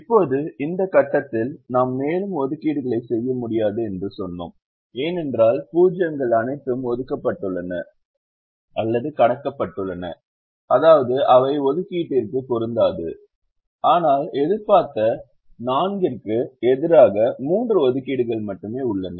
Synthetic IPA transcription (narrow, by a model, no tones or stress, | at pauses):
ɪpːoːðɯɪnd̪ɐkɐʈːɐt̪ːɪlnaːmːeːlɯmɔðɯkːiːɽɯɣɐɭɐɪsɛjːɐmʊɽɪjaːðɯɛndrɯsɔnːo̰ːm | eːnɛndraːlpuːd͡ʒɐŋɡɐɭɐnɐɪp̪ːɯmɔðɯkːɐpːɐʈːɯɭːɐnɐ̰ | ʔɐlːɐðɯkɐɳɐkːɐpːɐʈːɯɭːɐnɐ̰ | ɐðaːʋɐðɯʔɐʋɐɪɔðɯkːiːʈːɪrkɯpɔɾɯnd̪aːðɯ̰ | ʔaːnaːlɛðɯɾpaːɾt̪ɐ | naːnɡɪrkɯɛðɪɾaːɣɐmuːndrɯɔðɯkːiːɽɯɣɐɭmɐʈːɯmeːʊɭːɐnɐ